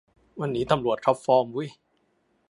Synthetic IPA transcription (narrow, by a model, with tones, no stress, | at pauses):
wa˧nːiː˦˥t̪a˧mɾu˨˩ət̪̚kʰɾɔ˦˥p̚fɔː˧mwu˦˥˩j